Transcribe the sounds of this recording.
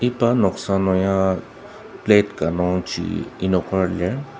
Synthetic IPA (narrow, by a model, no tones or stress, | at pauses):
ipanɔksanojã | plet̪kanoŋt͡ʃḭinokʰaɾle